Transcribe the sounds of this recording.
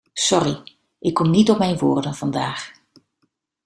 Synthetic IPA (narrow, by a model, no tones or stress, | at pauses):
sɔri | ʔɪkːɔmnitɔpmɛjnʋʊːrdənv̥ɑndaːx